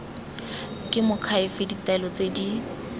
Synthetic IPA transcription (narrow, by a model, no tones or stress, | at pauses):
kʼɪmʊkʰaɪfɪditɛlɔt͡sedi